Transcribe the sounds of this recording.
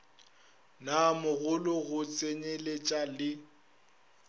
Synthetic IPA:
namʊɣʊlʊɣʊt͡sʼeɲelet͡ʃʼalɪ

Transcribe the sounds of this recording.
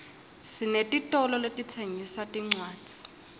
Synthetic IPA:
sinetʼitʼɔlɔletʼit͡sʰeŋisatʼiŋ͡ǀwaːd͡z̥ʱi̥

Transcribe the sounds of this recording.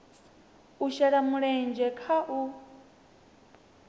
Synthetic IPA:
uʃɛɺamuɺɛnd͡ʒɛkʰaʔu

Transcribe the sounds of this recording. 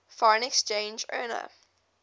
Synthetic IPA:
fɔɹə̃nɛkst͡ʃẽːnd͡ʒɜ̰ːnə̰

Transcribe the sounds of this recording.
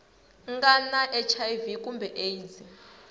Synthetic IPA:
ŋɡanaʔɛt͡ʃʰajvikʼumbɛʔejd͡zi

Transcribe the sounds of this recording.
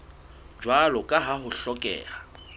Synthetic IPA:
d͡ʒwalɔkʼaɦaɦʊɬɔkʼɛ̰ːra

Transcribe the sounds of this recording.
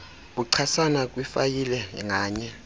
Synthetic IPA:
ɓuǀʰasanak̬ʼwifajilɛŋʱaːɲɛ

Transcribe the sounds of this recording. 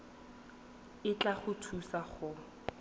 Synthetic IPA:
ɪt͡ɬʼaχʊtʰusaχʊ

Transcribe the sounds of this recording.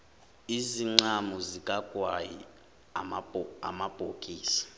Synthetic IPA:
iziŋ͡ǀamuzikʼaɡ̥ʱʼwaji | a̰mab̥ʱokʼiːsḁ

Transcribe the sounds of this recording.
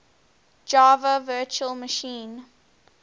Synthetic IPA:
d͡ʒɑːvəvɜːˑt͡ʃuəlˠməʃĩːn

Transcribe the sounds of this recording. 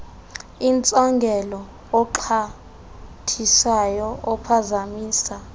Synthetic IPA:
int͡sʼaŋɡʱɛlɔː | ǃʰa | tʰisajɔɔpʰazamiːsa

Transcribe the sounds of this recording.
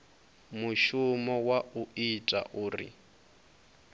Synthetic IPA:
muʃumɔwauitʼa̰ʔuːrḭ

